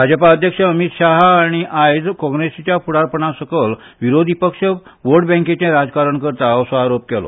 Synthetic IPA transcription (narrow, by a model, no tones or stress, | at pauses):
bʱad͡zəpaəd̪ʱjəkʂəəmit̪ɕaɦːɽ̃iʔajd͡zkɔ̃ŋɡɾesit͡ɕjapuɽaɾpəɳasəkəl | ʋiɾod̪ʱipəkʂəʋoɽbɛ̃ŋket͡ɕẽɾad͡zkaɾəɳkəɾt̪aəʋsəaɾop̚kɛlɔ̰